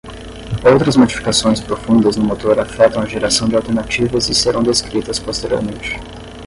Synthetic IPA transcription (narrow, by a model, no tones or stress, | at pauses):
owt̪ɾɐzmod͡ʒifi̥kasõj̃spɾofũnd̪ɐznʊmot̪oɾafɛt̪ɐ̃w̃ɐʒeɾasɐ̃w̃d͡ʒɪalˠwt̪eɾnat͡ʃivɐzɪseɾɐ̃w̃d̪eskɾit̪ɐspost̪eɾio̰ɾmẽnt͡ʃɪ̥